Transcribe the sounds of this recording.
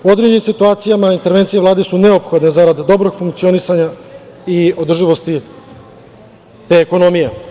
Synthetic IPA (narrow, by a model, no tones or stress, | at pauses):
uo̞d̪ɾed͡ʑimsit̪uaːt̪sijamaint̪eɾʋe̞nt̪sijeʋlˠaːd̪esuneopxo̞d̪ne̞zaɾad̪ːo̞bɾo̞ɡfuŋkt̪sio̞nisaɲa | io̞d̪r̩ʒiʋo̞st̪i | t̪eːko̞no̞mije